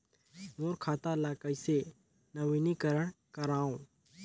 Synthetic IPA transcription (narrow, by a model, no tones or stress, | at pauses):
moːɾkʰaːt̪alaːkəise | nəʋiːnikəɾəɽ̃kəɾaːõː